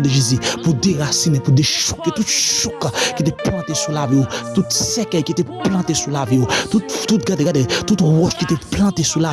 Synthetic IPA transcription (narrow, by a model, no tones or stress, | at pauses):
deʒizipud̪eʁasinepud̪eʃu̥kːet̪ut̪ʃukkit̪̬eplɑ̃t̪esulavijot̪ut̪sekɛjkit̪eplɑ̃t̪esulavijot̪utt̪ut̪̚ɡadeɡadet̪ut̪wɔʃkit̪eplɑ̃t̪esula